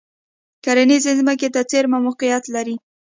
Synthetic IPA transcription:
kaɾanizezməket̪at͡seɾmamʊqijat̪laɾi

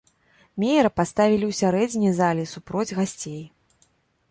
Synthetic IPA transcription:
mʲejɛɾɐpast̪avʲilʲiwsʲaɾɛd͡zʲnʲijzalʲisupɾɔd͡zʲɣasʲt͡sʲej

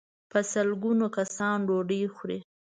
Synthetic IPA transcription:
pəsəlɡunokasɑnɖoɖəjxɾe

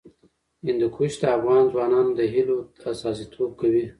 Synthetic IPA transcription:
ɪnd̪ukʰuʃt̪aːfɣɑnzwɑnɑnd̪əɦiloasɑsit̪ʰob̚kawi

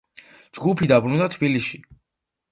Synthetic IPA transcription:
d͡ʒɡupʰid̪abɾund̪at̪ʰbiliʃi

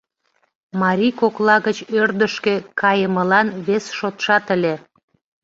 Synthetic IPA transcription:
mɑɾʲikoklɑɣət͡ɕørd̪əʃkekɑjəməlɑnβesʃot̪ʃɑt̪əlʲe

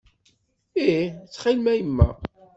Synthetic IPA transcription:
it͡sːχɪlmæjəmːæ̰

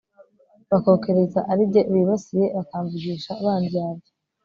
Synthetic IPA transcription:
βako̞ːke̞ɾe̞zaʔaɾibɟo̞ʔiβiβasije̞βakaːɱvuɡiːʃaːβaːndijaːbɟo̥

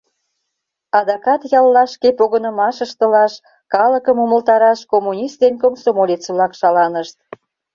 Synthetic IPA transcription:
ɑd̪ɑkɑt̪jɑlːɑʃkepoɣənə̆mɑʃəʃt̪ə̆lɑʃ | kɑləkəmuməlt̪ɑɾɑʃkomːunʲist̪d̪enkomsomolʲet͡səlɑkʃɑlɑnəʃt̪̚

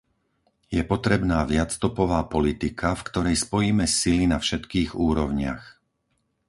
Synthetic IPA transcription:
jɛpɔt̪ɾɛbnaːʋɪat͡st̪ɔpɔʋaːpɔlit̪ikʰafkt̪ɔɾɛjspɔjiːmɛsilinafʃɛt̪kiːɣuːɾɔʊɲɪa̰x

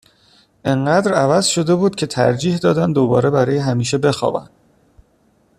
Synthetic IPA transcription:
ʔeɴɢæːd̪ɾævæzʃo̞d̪e̞buːd̪̚cʰe̞t̪ʰæ̰ɾd͡ʒiːhd̪ɒːd̪ænd̪obɒ̰ːɾe̞bæɾɒːjeɦæmiːʃe̞be̞xɒ̰ːbæ̰nd̪̥

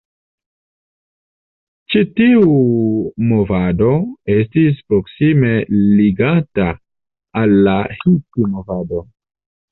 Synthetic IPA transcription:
t͡ʃitiu | mo̞vado̞e̞stis̬pɾoksime̞liɡataː | lːahitimovado̞

